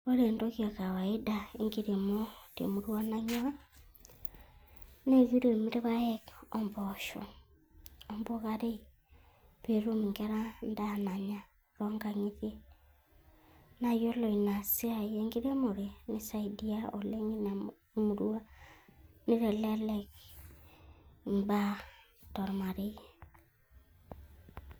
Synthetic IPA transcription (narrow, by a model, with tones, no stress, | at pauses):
o˦ɾe˨ndokia˨ka˨wa˨i˦dae˦ŋɡiɾe˨mɔ˦tḛ˨mu˨ɾwa˦na˦ɲa˦a˦ | ne˦ɣi˦ɾe˨mi˦ɾe˦βa˦ɛ˦kɔ˨mbɔʃɔ̰˨ | ɔmbo˦ɣaɾe˦i | pe˨ɾu˦mi˨ŋɡɛɾa˦nda˨na˨ɲa˨ | ɾɔŋɡa˨ɲi˦ðje˦ | na˦˨jo˦lɔ˨i˨na˨si˦a˨je˦ŋɡi˦ɾe˦mo˨ɾe˨ni˦sa˨i˨di˦a˦ɔ˨le˦ŋi˦na˨˦ | mu˨ɾu˦a˦ | ni˦ɾɛ˨lɛ˦le˦k | mba˦ | tɔ˨ɾma˨ɾi˦